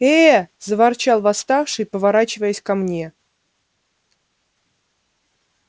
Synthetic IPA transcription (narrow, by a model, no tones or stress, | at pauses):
ezəvart͡ɕalˠvast̪ɑfʂɨjpəvaɾat͡ɕɪvəjəsʲkamnʲe